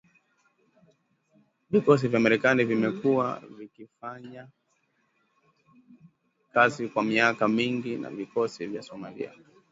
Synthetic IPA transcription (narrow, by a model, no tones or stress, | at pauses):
vikɔs̬ivjamaɾɛkanivimɛkuwa̰vikifaɲa | kazikwamiakamiŋɡina̰vikɔsivjasɔmaɾḭa̰